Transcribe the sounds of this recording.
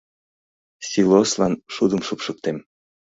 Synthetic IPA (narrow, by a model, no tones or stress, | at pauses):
sʲiloslɑnʃud̪əmʃupʃɤk̚t̪em